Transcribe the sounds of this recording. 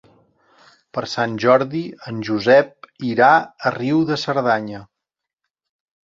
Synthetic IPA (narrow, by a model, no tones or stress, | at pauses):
pəɾsanʲʒɔɾðiənʲʒuzɛp̚iɾaəriwðəsəɾðaɲə